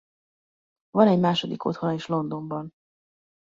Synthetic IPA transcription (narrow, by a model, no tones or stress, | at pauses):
vɒnɛɟmaːʃo̞d̪iko̞̰t̪honɒeʃlo̞nd̪o̞mbɒn